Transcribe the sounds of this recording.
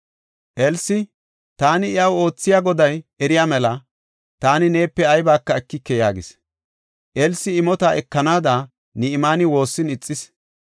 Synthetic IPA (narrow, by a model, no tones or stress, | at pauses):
ʔɛlsɪ | t̪aːnɪɪjɐwo̞ːt͡sːɪjaːɡɔd̪ɐjɛɾɪjaːmɛlɐ | t̪aːnɪne̞ːpːɛɐjbaːkːɐɛkːɪkːɛja̰ːɡɪs | ʔɛlsːɪɪmɔt̪aɛkːɐnaːd̪a | nɪɪmaːnɪwo̞ːsːɪnɪt͡sʼːɪs